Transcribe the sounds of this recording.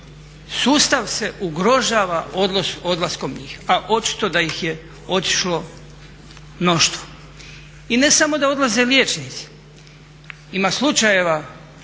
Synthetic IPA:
suːst̪aʋse̞ʔuɡɾo̞ʒaːʋaʔod̪losod̪lˠasko̞mɲiːxaʔo̞t͡ʃi̥t̪o̞d̪ajixje | o̞t̪i̥ʃlo̞ | no̞ʃt̪ʋo̥ | inesamo̞d̪ao̞d̪laze̞ljeːt͡ʃnit̪si̥ | imaːslut͡ʃaje̞ʋa

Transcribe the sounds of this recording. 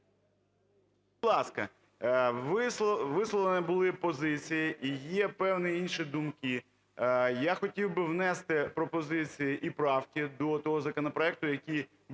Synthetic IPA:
ɑskɐ | ʋɪsʋɪslˠɔʋ̪ˠenɛbʊlˠɪpɔzɪt͡sʲijiʔijɛpɛwnɪinʃid̪umkɪ | jaxɔtʲiwbɪwnɛst̪ɪpɾɔpɔzɪt͡sʲijiʔipɾɑwkʲid̪ɔt̪ɔɦɔzɐkɔnɔpɾɔɛk̚t̪ʊjɐkʲij | b

